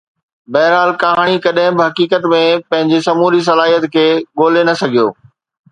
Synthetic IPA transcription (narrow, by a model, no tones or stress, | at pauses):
bɐːɦɪɾɦaːlkɐɦaːɽ̃ikɐɗɦɪ̃bɪɦɐkiːkət̪mẽpɐ̃ɦɪ̃ɲd͡ʑesɐmuːɾis̬ɐlaːɦijət̪kʰeːɠoːlenɐsɐɡʱijo̰ː